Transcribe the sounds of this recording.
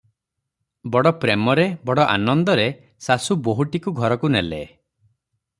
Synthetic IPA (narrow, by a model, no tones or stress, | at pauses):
bɔɽɔpɾemɔɾebɔɽɔʔa̰nɔnd̪ɔɾe | sasuboɦuʈikuɡʱɔɾɔkunelḛ